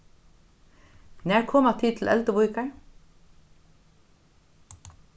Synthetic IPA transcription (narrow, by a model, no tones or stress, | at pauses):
næːɹkʰɔmɑt̪ʰiːt̪ʰl̩ʔɛ̰lt̪əbʊʏkəɹ